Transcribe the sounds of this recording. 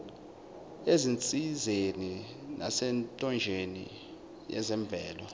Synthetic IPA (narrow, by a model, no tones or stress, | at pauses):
ezint͡sʼizeni | na̰sɛntʼɔnd͡ʒʱenḭ | jɛ̰zɛɱb̪vʱɛːlɔ